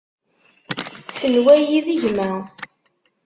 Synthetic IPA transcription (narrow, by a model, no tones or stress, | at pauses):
səlwæjiðiʝmæ